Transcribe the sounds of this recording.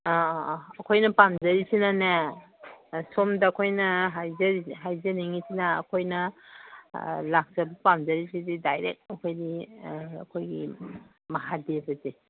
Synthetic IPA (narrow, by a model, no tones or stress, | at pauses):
ɐkʰojnɐpamzɐɾisinana | somdɐkʰojnɐɦajzɐɾiɦajzɐniŋisina̰ːkʰojnɐ | lak̚zɐbɐpamzɐɾisididajɾek̚ɐkʰojdiɐ̰kʰojɡḭ | mɐɦadebɐze